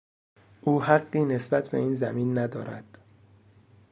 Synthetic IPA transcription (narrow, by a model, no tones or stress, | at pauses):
ʔuːhæɢːiːne̞sbæt̪ʰbe̞̰iːnzæmiːnːæd̪ɒːɾæ̰d̪̥